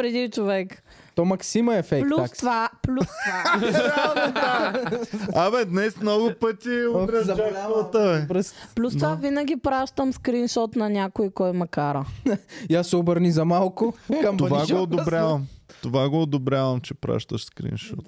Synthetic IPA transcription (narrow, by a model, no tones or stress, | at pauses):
pɾɛd̪it͡ʃovɛk | t̪ɔmɐksimɐɛfɛkplʲuast̪vaplʲuaaɐt̪ | ɐmɛd̪nɛsmnɔɡʊpət̪ʲizɐavɐt̪əɛpɾɛsplʲust̪vavinɐɡʲipɾaʃt̪əmskɾinʃɔt̪nɐnʲakʊikɔjmɐkaɾəjasːɛobəɾnizɐmalˠkʊkɐmt̪ovaɡoːd̪obɾʲjavɐmt̪ovaɡoːd̪obɾʲavɐmt͡ʃɛpɾa̰ʃt̪əʃskɾḭnʃɔ̰t̪